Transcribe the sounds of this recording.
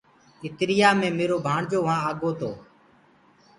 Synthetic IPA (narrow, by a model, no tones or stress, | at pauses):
ɪt̪ɾɪjaːmẽːmeːɾoːbʱaːɳd͡ʒoːʋãːaːɡoːt̪o̰ː